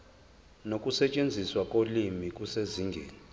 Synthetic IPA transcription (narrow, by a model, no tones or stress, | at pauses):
nokʼusɛt͡ʃʼend͡zʱiswakʼolimikʼuseziːŋɡʱeːni